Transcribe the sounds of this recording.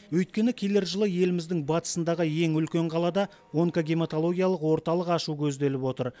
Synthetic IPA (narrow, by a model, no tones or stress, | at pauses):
wɵjt̪̚kʲe̞nɪkʲʰe̞leɾʒəlˠəje̞lɪmɪzd̪ɪŋbɑt̪ə̥sənd̪ɑʁəje̞ŋʏlkʲe̞ɴqʰɑlˠɑd̪ɑ | oŋkoɡʲemet̪o̞lˠo̞ɡʲijalˠəqwo̞ɾt̪ɑlˠəqɑʃukʲʰɵz̪d̪e̞lɪpwo̞t̪əɾ